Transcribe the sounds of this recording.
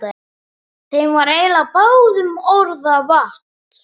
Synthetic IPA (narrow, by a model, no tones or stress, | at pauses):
θejnvaɾejlapawðʏmoɾðavaht̪